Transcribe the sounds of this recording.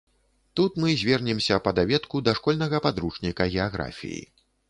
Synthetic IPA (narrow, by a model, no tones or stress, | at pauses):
t̪ut̪mɨzʲvʲɛrnʲɛmsʲɐpɐd̪avʲɛt̪kud̪ɐʂkɔlʲnɐɣɐpad̪ɾut͡ʂnʲikɐɣʲɛaɣɾa̰fʲḭjḭ